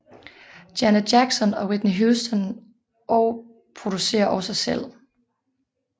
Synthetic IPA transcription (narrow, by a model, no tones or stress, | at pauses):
d̥jænədjæɡ̥sɒnɒ̽wed̥niɦusd̥ən | ʔɒʊ | pʰʁod̥use̝̰ːɐʔɒ̽səsel̰